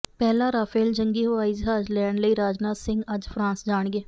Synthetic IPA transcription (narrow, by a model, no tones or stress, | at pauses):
pɛːlaːɾaːpʰeːld͡ʒəŋɡiːɦoːaːizɦaːd͡ʒlɛːɳləiːɾaːd͡ʒnaːsɪ̃ŋɡəd͡ʒpʰɾãːnsd͡ʒaːɳɡeː